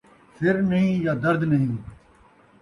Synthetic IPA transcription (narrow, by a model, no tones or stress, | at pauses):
fʰɪɾnɐɦĩːjaːd̪əɾd̪nɐɦĩː